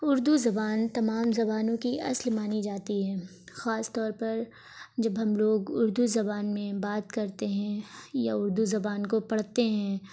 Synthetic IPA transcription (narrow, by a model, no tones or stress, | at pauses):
ʊɾd̪uzɐbaːnt̪ɐmaːmzɐbaːnõkiɐ̰slmaːnid͡ʒaːt̪iɦɛː | xaːst̪ɔːɾpɐɾ | d͡ʒɐbɦɐmloːɡʊɾd̪uzɐbaːnmẽbaːt̪kɐɾt̪eɦɛ̃ja̰ʊɾd̪uzɐbaːnkopɐɽ̤t̪eɦɛ̃ː